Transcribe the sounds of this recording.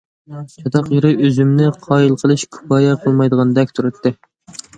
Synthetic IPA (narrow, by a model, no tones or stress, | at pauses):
t͡ʃʰɑt̪ɑqjiɾɨøzymnɪqʰɑːjilˠqʰəlˠɨʃkʰu̥pɑːjɛqʰəlˠmɑjd̪əʁɑnd̪ɛkʲt̪ʰuɾɨt̪ːɨ